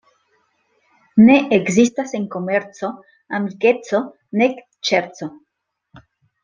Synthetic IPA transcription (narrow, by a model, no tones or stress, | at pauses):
ne̞ʔekzistase̞nko̞me̞ɾt͡so̞ | amlike̞t͡so̞ | ne̞k | t͡ʃeɾt͡so̞